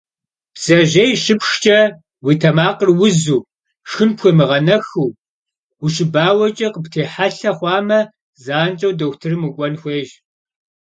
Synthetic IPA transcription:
b̥z̥ɐʒɐjʃɨpʃt͡ʃʼɐ | witʰɐmaːqərwʊzuː | ʃɨnpxʷɔmɨʁɐnɐxuː | wuʃɨbaːwɐt͡ʃʼɐqəptʰeːħaɬɐχʷɑːmɐ | zaːnt͡ʃʼɐwdɐwtʰɨrɨmɨkʷʼɔnxʷeːʒ

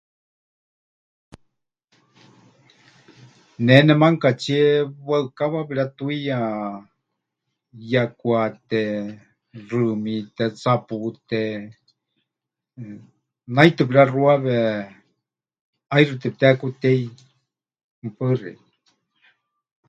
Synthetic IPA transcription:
nenɛmaŋkat͡ʃieβəɨkaβaβiɺat̪uija | jakwat̪e | rɨmit̪et͡saput̪e | najt̪ɨpiɾaruaβe | ajrɨt̪ep̚t̪eakut̪ei | mpɨrḭ

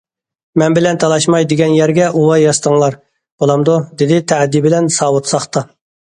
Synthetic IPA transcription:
mɛnbɪlɛnt̪ʰɑlˠɑʃmɑjd̪ɪɡʲɛnjæɾɡʲɛʔuwɑjɑst̪əŋlˠɑɾ | b̥olˠɑmd̪ud̪ɪd̪ɪt̪ʰæʕd̪ːibɪlɛnsɑːwut̪sɑχt̪ɑ

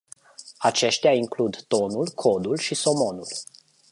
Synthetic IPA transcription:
at͡ʃe̞ʃt̪jaiŋklud̪t̪o̞nulkʰo̞d̪ulʃiso̞mo̞nul

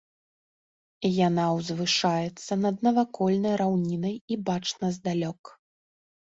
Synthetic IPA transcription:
janawzvɨʂajɛt̪sːɐnɐd̪̚nɐvakɔlʲnɐjɾawnʲinɐjibat͡ʂnɐzd̪alʲɔk

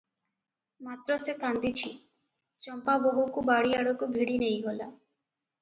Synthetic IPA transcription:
mat̪ɾɔsekand̪it͡ɕʰi | t͡ɕɔmpaboɦukubaɽiaɽokubʱiɽinejɦola

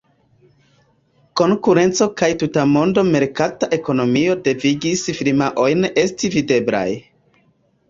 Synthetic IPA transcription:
ko̞ŋkuɾe̞nt͡so̞kajtutamo̞ndo̞me̞ɾkataʔe̞ko̞no̞mio̞de̞viɡisfiɾmaʔo̞jne̞stivide̞bla̰j

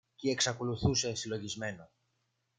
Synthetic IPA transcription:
cie̞ksɐko̞luθuse̞silo̞ʝizme̞no

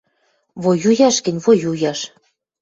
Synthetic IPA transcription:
βojujɑʃkɘ̆nʲβojujɑʃ

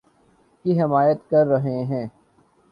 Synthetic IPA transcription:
kiɦɪmaːjət̪kɐɾːɐɦeɦɛ̃ː

